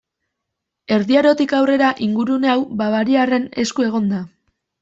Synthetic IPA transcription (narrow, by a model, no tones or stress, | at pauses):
e̞ɾðiaɾo̞t̪ikawre̞ɾaʔiŋɡuɾune̞awbaβaɾiare̞ne̞̰skue̞ɣ̞o̞nd̪a